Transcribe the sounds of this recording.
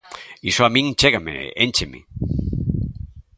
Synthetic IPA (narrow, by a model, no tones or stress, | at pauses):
isoamĩŋt͡ʃeɣamḛent͡ʃemḭ